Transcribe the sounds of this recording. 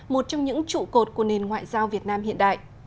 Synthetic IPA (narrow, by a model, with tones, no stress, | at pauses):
mo˨˩t̚t͡ɕɔ˧wŋ͡mɲɨ̰˧˥ŋt͡ɕṵ˧˨ko˨˩t̚ku˧˩əne˨˩nŋwa̰ː˧˨jzaː˧wvi˨˩ət̚naː˧mhḭ˧˨ənɗa̰ː˧˨jʔ